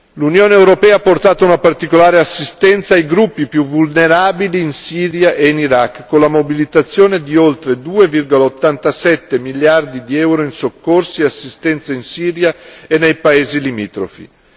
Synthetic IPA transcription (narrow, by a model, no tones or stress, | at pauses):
lunjoːneewɾopɛːaːpːort̪aːt̪ounapart̪ikolaːɾeasːist̪ɛnt̪saːjɡɾupːipjuvulneɾaːbiliːnsiːɾjaʔeiniɾakːkːonlamobilit̪at̪sːjoːned̪iolt̪ɾed̪uːevirɡolaot̪ːant̪asɛt̪ːemiljard̪id̪iɛwɾoinsokːorsiasːist̪ɛnt̪sainsiːɾjaenːejpaeːzilimiːt̪ɾo̰fḭ